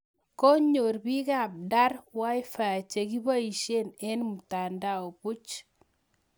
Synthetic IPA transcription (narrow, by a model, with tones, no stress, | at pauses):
ko˦ɲo˨rbi˦ka˨p̚da˦rwa˦jfa˨t͡ʃe˨ki˦ba˦i˨ʃe˦nɛ˦nmu˨ta˨nda˦˨o˨pu˦t͡ʃ